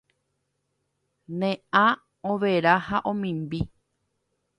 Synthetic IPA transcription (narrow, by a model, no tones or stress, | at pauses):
nẽã | õʋeɾahaʔõmĩmbi